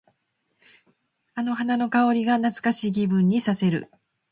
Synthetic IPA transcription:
ano̞ɦanano̞kao̞ɾʲiɡanat͡sɨ̥kaɕiːɡʲibɯ̟̃ɲ̟ːisase̞ɾɯ̟̰

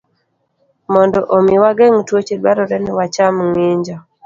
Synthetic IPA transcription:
mɔndɔʔomiwaɡɛŋtwot͡ʃedwaɾɔɾɛnɪwat͡ʃamŋeɲd͡ʒa

